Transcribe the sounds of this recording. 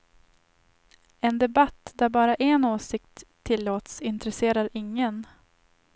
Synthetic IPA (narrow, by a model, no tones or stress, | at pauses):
ɛnd̪ɛbat̪ːd̪æɾbɑːɾaʔɛnoːsɪkt̪ʰːɪlːoːt̪sɪnt̪ɾɛseːɾaɾʔɪŋːən